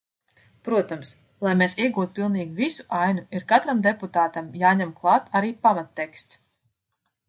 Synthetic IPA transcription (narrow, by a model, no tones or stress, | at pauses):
pɾuɔt̪ams | lˠajmeːsiɛɡuːt̪̚pilˠniːɡivisu̥ʔajnuiɾkat̪ɾamd̪eput̪aːt̪amjaːɲɛmklˠɑːt̪aɾiːpamat̪ːekst̪s